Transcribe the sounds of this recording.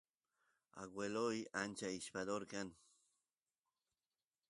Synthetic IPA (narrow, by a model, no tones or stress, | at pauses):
a̰ɡwelojant͡ʃaiʃpaðoɾkan